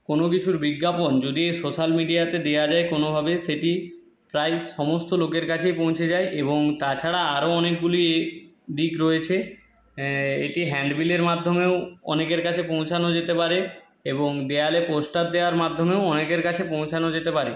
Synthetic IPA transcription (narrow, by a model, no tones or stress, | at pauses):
konok̬it͡ɕʰuɾbiɡːapond͡ʑod̪iejsoʃalmiɖijat̪ed̪ead͡ʑaekonobʱabeʃeʈi | pɾaeʃɔmost̪olokeɾkat͡ɕʰejpõw̃t͡ɕʰed͡ʑaeʔeboŋt̪at͡ɕʰaɽaaɾoɔnekɡuli | d̪ikɾoet͡ɕʰe | ḛʈiɦɛɳɖbileɾmad̪ʱːomeoɔ̰nekeɾkat͡ɕʰepõw̃t͡ɕʰanod͡ʑet̪epaɾe | eboŋd̪ealeposʈat̪̚d̪eoaɾmad̪ʱːomeoɔnekeɾkat͡ɕʰepõw̃t͡ɕʰanod͡ʑet̪epaɾe